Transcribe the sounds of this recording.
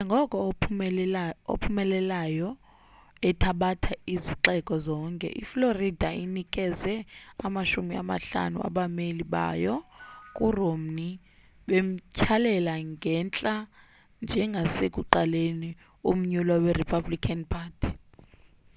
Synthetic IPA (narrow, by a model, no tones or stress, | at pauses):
ɛŋɡʱɔkʼɔ | o̰pʰumɛlɛlajɔ | ɛtʰaɓatʰaiziǃɛkʼɔzɔːŋkʼɛ̰ʔifloridʱainikʼɛzɛamaʃumia̰ma̰ɬa̰nṵa̰ɓameliɓa̰jɔkʼurom̩ni | ɓem̩cʰalɛlaŋɡʱɛnt͡ɬʼa | nd͡ʒʱɛŋɡʱasekʼuǃaleni | um̩ɲulwawɛripʰablikʼʰanpʰaːtʰi̥